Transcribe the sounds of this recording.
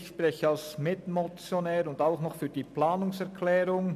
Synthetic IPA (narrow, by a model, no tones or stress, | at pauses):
çʃpʁɛçəɑlsmɪtmɔt͡sjonɛːɾʊndaʊxnɔχfyːd̥iːplaːnʊŋsɛʁkʰlɛːɾʊŋ